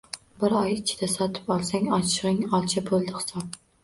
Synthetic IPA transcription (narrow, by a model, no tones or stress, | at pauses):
bɪɾɑjt͡ʃʰɪ̥d̪ɛsɒt̪ʰɨ̥pɑlˠsɛŋɑʃɪʁɨŋɑlˠt͡ʃʰɛbʰolˠd̪ɨχɨ̥sɑp̚